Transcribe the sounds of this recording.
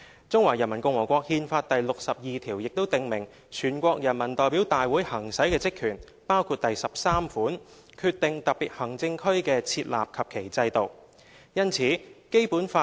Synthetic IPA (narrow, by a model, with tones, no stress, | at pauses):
t͡sʊ˥ŋwaː˨˩jɐ˨˩nmɐ˨˩nkʊ˧ŋwɔː˨˩kʷɔː˧k̚hiː˧nfaː˧t̚t̪ɐ˨jlʊ˨k̚sɐ˨p̚jiː˨t̪ʰiː˨˩wjɪ˨k̚t̪o˥wt̪ɪ˨ŋmɪ˨˩ŋ | t͡ʃʰyː˨˩nkʷɔː˧k̚jɐ˨˩nmɐ˨˩nt̪ɔː˨jpiː˨˥wt̪aː˨jwuː˨˥jhɐ˨˩ŋsɐ˨˥jkɛː˧t͡sɪ˥kʰːyː˨˩n | paː˥wkʰuː˧t̚t̪ɐ˨jsɐ˨p̚saː˥mfuː˨˥n | kʰyː˧t̪̚ɪ˨ŋt̪ɐ˨˩k̚piː˨t̚hɐ˨˩ŋt͡sɪ˧ŋkʰɵ˥ɥkɛː˧t͡sʰiː˧t̚la̰ː˨p̚kʰɐ˨p̚kʰe˨˩jt͡sɐ˧jt̪o˨˩w | jɐ˥nt͡sʰiː˨˥ke˥jpuː˨˥nfaː˧